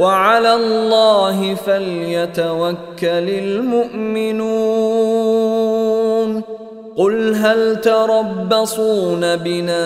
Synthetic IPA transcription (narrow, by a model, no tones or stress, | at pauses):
waʕalaːlˤːɑːɦɪfaljat̪awakːalalmʊʔmɪnuː | n | qʊlɦalt̪ɑɾˤɑbːɑsˤuːnabɪnaː